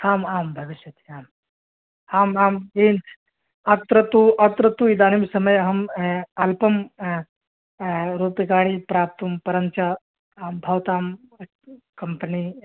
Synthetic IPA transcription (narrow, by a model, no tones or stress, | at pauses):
haːmaːmbʱɐʋiʃɐt̪iaːm | haːmaːmiːn | ɐt̪ɾɐt̪uʔɐt̪ɾɐt̪uid̪aːnimsɐmɐjɐɦɐmɐlpɐm | ɾuːpikaːɽipɾaːp̚t̪umpɐɾɐnt͡ʃaː | bʱɐʋt̪aːm | kɐmpəni